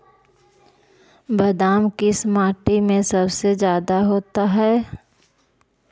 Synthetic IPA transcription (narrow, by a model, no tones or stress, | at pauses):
bɐd̪aːmkismaːʈimẽsɐbsed͡ʒjaːd̪aɦoːt̪aɦɛː